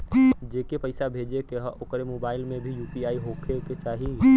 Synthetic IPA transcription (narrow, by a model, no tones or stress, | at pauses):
d͡ʒeːkepɐɪsabʱeːd͡ʒekeɦokɾemoːbaːɪlmẽbʱijuːpiaːiɦokʰeket͡ʃaːɦi